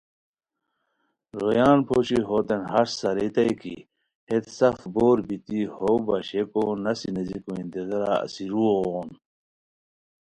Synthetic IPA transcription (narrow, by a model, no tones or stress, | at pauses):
ɾojaːnpʰoːɕiɦoːt̪enɦɐɾsɐɾit̪ɐikḭ | het̪sɐfboːɾbit̪ihobɐɕekonɐsinɐzikoint̪ezɐɾa̰ɐ̰siɾuoːn